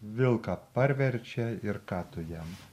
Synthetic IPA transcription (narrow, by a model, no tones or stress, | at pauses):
ʋʲɪlˠkɑpɐɾʲʋʲɛɾʲt͡ʃʲɛɪɾkɑːt̪ʊjɛm